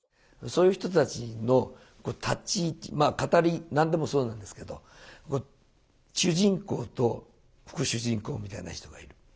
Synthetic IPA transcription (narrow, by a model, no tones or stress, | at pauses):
so̞ːjɯ̟çi̥t̪o̞t̪at͡ɕino̞ | ko̞ːt̪ʰat͡ɕimakat̪aɾʲinãnd̪e̞mo̞so̞ːnãnd̪e̞sɨ̥ke̞d̪o̞̰ | ko | ɕɨːʑĩŋko̞̰ːt̪o̞ | ɸɯ̥kɯ̟ɕɨʑĩŋko̞ːmʲit̪a̰ina̰çi̥t̪o̞ɡaiɾɯ̟